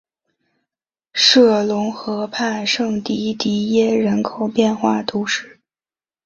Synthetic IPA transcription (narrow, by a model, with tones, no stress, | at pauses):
ʂɤ˥˩lʊ˧˥ŋxɤ˧˥pʰa˥˧ɪʂɤ˥˩ŋt̪i˧˥t̪i˧˥jɛ˥ɻə˧˥nkʰo˨˩ʊpjɛ˥˧nxwa˥˩t̪u˧˥ʂɻ̩˥˩